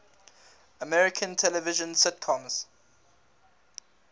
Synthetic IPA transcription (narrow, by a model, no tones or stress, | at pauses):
əmɛɹɪkʰə̃ntʰɛlɛvɪʒə̃nsɪt̚kʰɔ̃mz̥